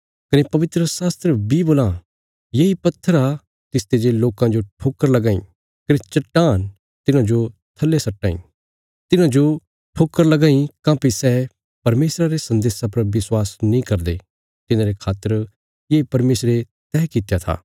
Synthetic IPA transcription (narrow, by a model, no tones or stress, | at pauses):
kɐnepɐʋɪt̪ɾəsaːst̪ɾəbiboːlã | jeipɐt̪ʰːəɾa | t̪ɪst̪ed͡ʒeloːkãd͡ʒoʈʰoːkːəɾlɐɡãːḭ̃ | kɐnet͡ʃɐʈːaːn | t̪ɪnãd͡ʒot̪ʰɐlːesɐʈːaːḭ̃ː | t̪ɪnãd͡ʒo | ʈʰoːkːəɾlɐɡãːĩkãːpisɛː | pɐɾmeːsɾaɾesɐ̃nd̪eːsãpɐɾʋɪswaːsnĩkɐɾd̪e | t̪ɪnãɾekʰaːt̪əɾ | jeːpɐɾmeːsɾe | t̪ɛːkɪt̪ejat̪ʰa̰ː